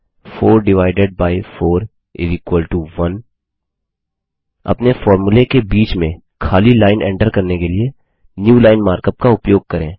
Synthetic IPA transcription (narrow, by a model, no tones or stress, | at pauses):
foːɾɖɪʋaːɪɖeɖ̚baːɪfoːɾ | ɪ̰zɪkwəlʈuʋɐn | ɐ̰pnefɔːɾmʊlekebiːt͡ʃmẽ | kʰaːlilaːɪnʔɛ̰̃ːɳʈəɾkɐɾnekelie | njuːlaːɪnmaːɾkəp̚kaʊpjoːɡ̚kɐɾẽː